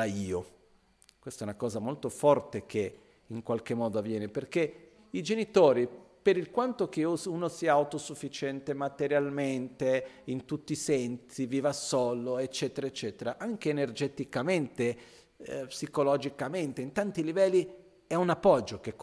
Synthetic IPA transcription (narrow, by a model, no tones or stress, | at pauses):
aiːo | kwest̪ɛunakɔːzamolt̪ofɔrt̪ek̟e | iŋkwalkemːɔːd̪oavːjɛːneperk̟e | id͡ʒenit̪oːɾipeɾilkwant̪ok̟euunosiːaːwt̪osufːit͡ʃɛnt̪emat̪eɾjalment̪eint̪ut̪ːisɛnsiviːvasɔlːoet͡ʃːɛːt̪eɾaet͡ʃːɛːt̪eɾaʔaŋk̟eːnerd͡ʒɛt̪ikament̪e | psikolɔd͡ʒikament̪eint̪ant̪ilivɛlːi | ɛunapːɔd͡ʒːok̟ek